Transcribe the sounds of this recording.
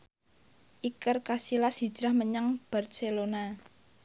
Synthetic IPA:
ʔikərkasilasi̤̥d͡ʒ̥ɾahməɲaŋb̥a̤rselona

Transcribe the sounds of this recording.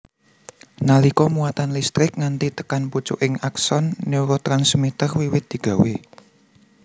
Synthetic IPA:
nalikɔmuat̪anlist̪ɾɪk̚ŋant̪it̪ə̥kanput͡ʃʊ̰ʔɪŋaksɔnːiuɾot̪ɾansmit̪ərwiwɪt̪̚d̪̥i̤ɡ̥ä̤we

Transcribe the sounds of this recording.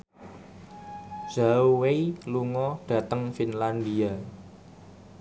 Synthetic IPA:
z̥auweiluŋɔɖ̥ä̤t̪əŋfinland̪ia

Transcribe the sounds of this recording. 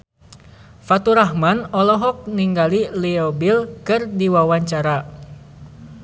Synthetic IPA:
fat̪uɾahmanɔlɔɦɔk̚niŋɡaliliɔbilkɨrdiwawaɲt͡ʃaɾa

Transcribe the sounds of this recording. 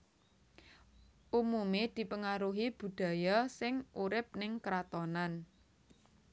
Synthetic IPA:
ʔumumed̪̥i̤pəŋaɾuɦib̥ṳd̪̥ä̤jasɪŋuɾɪp̚nɪŋkɾat̪ɔnan

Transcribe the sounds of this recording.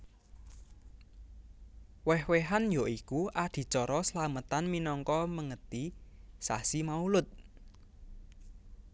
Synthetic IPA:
wɛhweɦanjɔikuʔad̪̥i̤t͡ʃɔɾɔsəlamət̪anminɔŋkɔməŋət̪isa̰simaulʊt̪̚

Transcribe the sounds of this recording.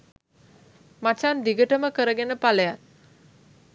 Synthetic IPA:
mat͡ʃand̪iɡəʈəməkəɾəɡenəpaləjat̪̚

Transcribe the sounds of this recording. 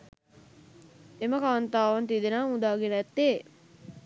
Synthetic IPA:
eməkant̪aːʋɐnt̪id̪enaːud̪aːɡenɛt̪ːeː

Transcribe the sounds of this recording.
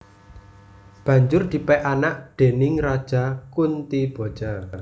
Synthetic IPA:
b̥ä̤ɲd͡ʒʊrd̪̥i̤pɛʔanaʔd̪̥e̤nɪŋrad̥ʒ̥a̤kunt̪ib̥o̤d̥d͡ʒ̥a

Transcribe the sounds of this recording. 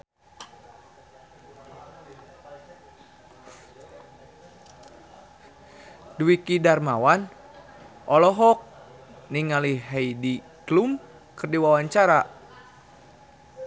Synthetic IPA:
dwikidarmawan | ʔɔlɔɦɔk̚ | niŋaliɦajdi | klum | kɨrdiwawaɲt͡ʃaɾa

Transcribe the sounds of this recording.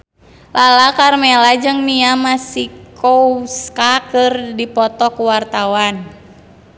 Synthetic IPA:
lalakarmɛlad͡ʒɨŋmiamasikʰouskakɨrdipɔt̪ɔkuwart̪awan

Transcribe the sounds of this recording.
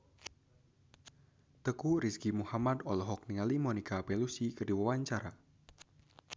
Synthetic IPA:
t̪əkuɾiskimuhamad̪ɔlɔɦɔk̚niŋalimɔnikapelusikərdiwawaɲt͡ʃaɾa

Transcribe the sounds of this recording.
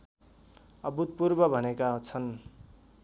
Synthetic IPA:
ʌbut̪̚purbʌbʱʌnekat͡sʰʌn

